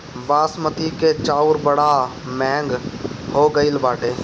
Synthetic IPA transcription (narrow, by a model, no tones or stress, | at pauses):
baːsmət̪ʰiket͡ʃaːʊɾbəɽa | mɛ̃ːŋɡhoːɡəɪlbaːʈeː